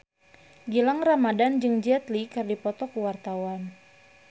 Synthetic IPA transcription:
ɡilaŋramadand͡ʒɨŋd͡ʒɛt̪likɨrdipɔt̪ɔkuwart̪awan

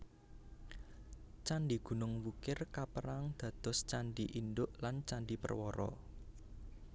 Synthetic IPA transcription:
t͡ʃanɖiɡ̥ṳnʊŋwukɪrkapəɾaŋd̪̥ä̤d̪̥ɔ̤st͡ʃanɖiʔindʊʔlant͡ʃaɳɖipə̰rwɔɾɔ̰

